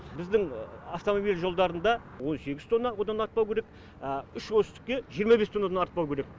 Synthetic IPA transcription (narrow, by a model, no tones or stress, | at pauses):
bɪzd̪ɪŋaft̪o̞mobilʒo̞lˠd̪ɑɾənd̪ɑwo̞nse̞ɡʲɪzt̪ʰo̞nːɑwo̞d̪ɑnɑɾt̪̚pɑwkʲʰeɾek | ʏʃwɵsst̪ɪ̥kʲːe̞ʒijəɾmɑbest̪ʰonɑd̪ɑnɑɾt̪̚pɑwkʰʲe̞ɾe̞k̚